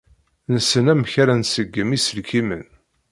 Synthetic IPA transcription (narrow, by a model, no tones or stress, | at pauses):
nəsənæmçaɾænsəɡːəmisəlkʰimə̰n